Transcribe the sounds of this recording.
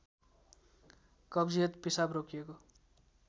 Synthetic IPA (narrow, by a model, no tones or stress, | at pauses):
kʌbd͡zijʌt̪pisabrokʰijeko